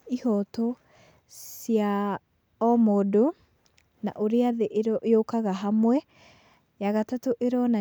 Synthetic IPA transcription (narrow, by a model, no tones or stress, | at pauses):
ihɔtɔ | sja | ɔmɔdo | na̰ʔoɾeaðeʔeɾʔeokaɣaɦamwɛ | jaɣatatoʔeɾɔna